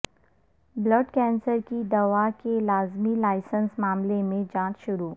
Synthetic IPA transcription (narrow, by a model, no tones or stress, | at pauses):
bləɖkɛ̃ːnsəɾkid̪ɐʋakelaːzmilaːɪsə̃nsmaːmlemẽd͡ʒãːt͡ʃʃʊɾuː